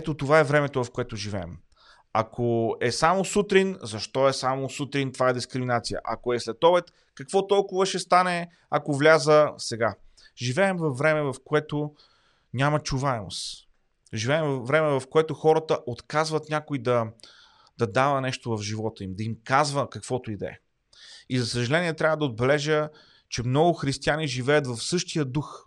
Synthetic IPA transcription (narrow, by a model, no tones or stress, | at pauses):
ɛt̪ot̪ovaɛvɾɛmɛt̪ovɐfkoɛt̪oʒivɛɛ̰m | ɐkʰoɛsamosut̪ɾinzɐʃt̪ɔɛsamosut̪ɾint̪ovaɛd̪iskɾiminat̪sijə̰ʔakoɛslɛt̪ɔbɛt̪ | kɐkvɔt̪ɔlˠkʊvəʃɛst̪anɛ | akovlʲazəsɛɡa | ʒivɛːmvɐfːɾɛmɛvɐfkoɛt̪o | nʲamət͡ʃuvaɛmo̰s | ʒivɛːɛmvvːɾɛmɛvɐfkoɛt̪ʊxɔɾət̪əʔot̪kazvɐt̪nʲakoid̪ɐ | d̪̥ɐd̪avənɛʃt̪ovɐfʒivɔt̪əimd̪ɐimkazvəkɐkv̥ɔt̪oid̪ɛ̰ | izɐsəʒɐlɛniɛt̪ɾʲavəd̪ɐod̪̚bɛlɛʒə | t͡ʃɛmnɔɡʊxɾist̪ianiʒivɛjət̪vɐfsɤʃt̪ijəd̪ux